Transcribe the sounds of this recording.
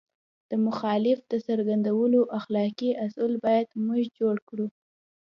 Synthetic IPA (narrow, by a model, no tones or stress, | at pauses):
d̪̥əmʊxɑlɪfd̪̥əsaɾɡand̪awəloʔaxlɑkiasʊlbɑjad̪mʊʒd͡ʒoɽkɽu